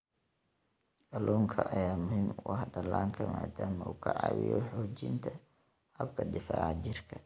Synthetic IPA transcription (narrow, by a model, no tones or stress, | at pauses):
ʔɐlɔːŋkʰɐʔɐjaːmʊhɪmwɑhɖɐlaːŋkʰɐmaːd̪aːmɐṵːkʰɐʕɑ̰ːwɪ̰jɔħɔːt͡ʃɪnt̪ʰɐ | hɐbkʰɐdɪfaːʕt͡ʃɪrkʰɐ